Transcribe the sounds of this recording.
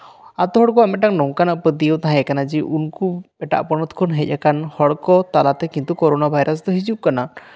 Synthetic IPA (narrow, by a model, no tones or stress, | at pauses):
at̪ɔɦɔɽkɔamɛʈaknɔŋkanaʔpəd̪ijəwt̪aɦãɛkanad͡ʒiʔunkubɛʈa̰ʔpɔnɔt̪ʰkʰɔnɦɛc̚ˀakanhɔɽkɔt̪alat̪ɛkint̪ukɔɾɔnabʱajɾʔasd̪ɔɦid͡ʒuʔ̚kana